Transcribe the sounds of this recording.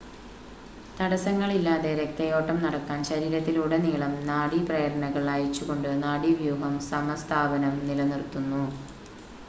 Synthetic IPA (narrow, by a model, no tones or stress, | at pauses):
t̪ɐɽɐsɐŋːɐɭilːaːðeɾek̚t̪ɐjo̞ːʈːɐmnɐɽɐkːaːnɕɐɾiːɾɐt̪ːiluːɽeniːɭɐmnaːɽiprɐjɐɾɐɳɐɣɐɭaːjit͡ɕːuɣo̞ɳɖɨnaːɽiʋjuːɦɐmsɐmɐst̪ʰaːbɐnɐmnilɐnirt̪ːunːu